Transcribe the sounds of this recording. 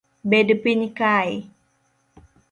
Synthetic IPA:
bedəpiɲkaj

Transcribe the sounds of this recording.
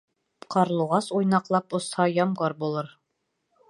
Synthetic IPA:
qɑɾlˠuʁɑsujnɑqlˠɑpŏshɑjɑmʁɑɾbulˠɤɾ

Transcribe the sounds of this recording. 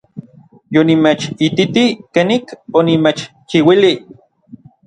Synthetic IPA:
jonimet͡ʃit̪it̪ikenikonimet͡ʃt͡ʃiwili

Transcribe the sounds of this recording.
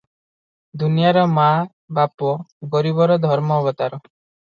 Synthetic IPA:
d̪unijaɾɔma | bapɔɡɔɾibɔɾɔd̪ʱɔɾmɔːbɔt̪aɾɔ

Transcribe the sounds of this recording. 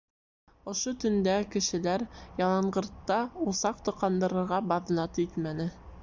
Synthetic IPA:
ŏʃot̪ɵ̆nd̪ækɘ̆ʃɘ̆læɾjɑlˠɑɴɢɤ̆ɾt̪ːɑusɑqt̪ŏqɑnd̪ɤ̆ɾɤ̆ɾʁɑbɑðnɑt̪it̪mænɘ

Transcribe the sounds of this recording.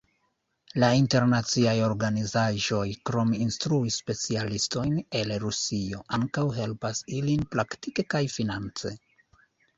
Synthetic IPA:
lainte̞ɾnat͡siajo̞ɾɡanizaʒo̞jkɾo̞minstɾuisːpe̞t͡sialisto̞jne̞lɾusio̞ʔaŋkawɦe̞lpasilinpɾaktike̞kajfinant͡se̞̰

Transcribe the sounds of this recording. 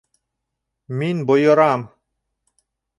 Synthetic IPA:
minbojoɾam

